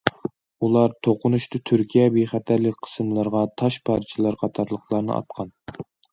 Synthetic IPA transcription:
ulˠɑɾt̪ʰoqʊnuʃt̪ɨt̪ʰyɾkʲʰijɛbeχæt̪ʰæɾlɪkʲqʰə̥sɨmlˠɨɾʁɑt̪ʰɑʃpʰɑɾt͡ʃʰilˠɑɾqʰɑt̪ʰɑɾlˠəχʰlˠɑɾnɨ̰ʔɑ̰t̪̚qʰɑn

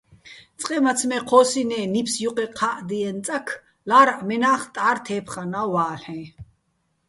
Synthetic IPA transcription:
t͡sʼqʼɛmat͡sʰmɛqʰɔːsinɛːnipʰsjuqʼɛqʰaʔd̪iɛnt͡sʼakʰ | laːɾaʔmɛnaːχt̪ʼaːɾt̪ʰɛːpʰχanawaːɬħɛ̃

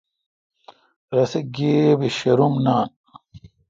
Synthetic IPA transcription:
ɾɐseɡiːbiɕɐɾumnaːn

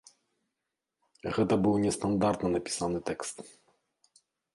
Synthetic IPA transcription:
ɣɛt̪ɐbɨwnʲɛst̪ɐnd̪art̪nɐnɐpʲi̥sanɨt̪ɛkst̪

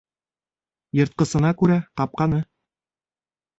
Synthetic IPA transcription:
jɤ̆ɾt̪̚qɤ̆sɤ̆nɑkʉɾæq̪ɑp̚qɑnɤ

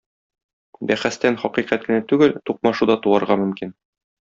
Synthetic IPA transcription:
bæχæst̪ænχɒqiqæt̪̚kɘ̆næt̪ʉɡɘlt̪uq̚mɑʃud̪ɒt̪uɑɾʁɑmɵ̆mkin

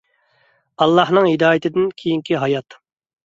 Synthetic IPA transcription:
ɑlˠːɑhnɨŋɦid̪ɑːjɪt̪ʰɪd̪ɪnkʲʰijiŋkʲiɦɑjɑt̪

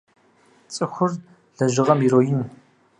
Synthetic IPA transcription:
t͡sʼɨxʷʊr | ɮɐʒɪʁɐmiroːjɪn

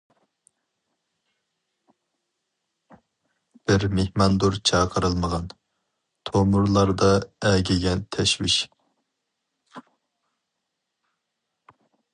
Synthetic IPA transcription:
b̥ɪɾmehmɑnd̪uɾt͡ʃʰɑːqʰəɾɨlˠməʁɑn | t̪ʰomuɾlˠɑɾd̪ɑɛɡʲɛɡʲɛnt̪ʰɛʃwiʃ

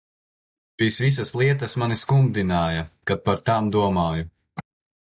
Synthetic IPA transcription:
ʃisvis̬aslˠiɛt̪asmaniskumd̪inaːjɐkat̪̚paɾt̪aːmd̪uɔmaːju

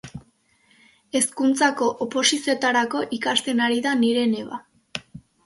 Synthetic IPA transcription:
e̞skunt͡sako̞ʔopo̞sisio̞t̪aɾako̞ʔikast̪e̞naɾiðaniɾe̞ne̞βa

